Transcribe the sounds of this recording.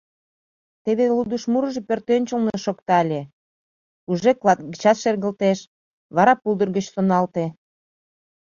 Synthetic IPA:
t̪eβelud̪uʃmuɾəʒepørt̪ønʲt͡ɕəlneʃokt̪ɑlʲe | uʒeklɑt̪̚ɡət͡ɕɑt̪ʃerɣə̆lt̪eʃ | βɑɾɑpulˠd̪ərɣət͡ɕsonɑlt̪e

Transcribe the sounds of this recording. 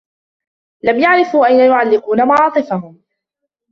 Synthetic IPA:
lamjaʕɾɪfuːʔajnajʊʕalːɪquːnamaʕɑːt̪ˤɨfaɦʊm

